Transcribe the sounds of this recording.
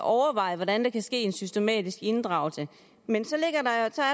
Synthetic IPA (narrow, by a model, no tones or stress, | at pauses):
ʔɒʊɐʋɑ̈ɪ̰əʋɒdænd̥ekʰæsɡ̥e̝̰ːe̝nsysd̥e̝mɛ̰ːd̥isɡ̥e̝nd̥ʁɑ̈ʊl̩sə | mensɒ̽le̝ɡ̥ɐd̥ɑ̈osɒ̽æɐ